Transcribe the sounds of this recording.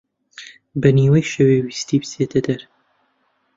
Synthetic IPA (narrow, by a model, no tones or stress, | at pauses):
bɐniːwɐjʃewewist̪iːbɨset̪ʰɐd̪ɐɾ